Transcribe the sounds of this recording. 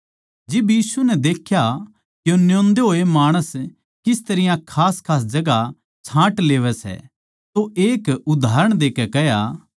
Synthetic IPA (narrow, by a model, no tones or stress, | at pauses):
d͡ʒɪbjiːsunɛd̪eːkʰja | kjonjõːnd̪eɦoːemaːɽ̃əs | kɪst̪ɐɾɪjãkʰaːskʰaːs̬d͡ʒɐɡa | t͡ʃʰãːʈleːʋɛsɛ̰ | t̪oʔeːkʊd̪ʱaːɾəɽ̃d̪eːkɛkɛɦja̰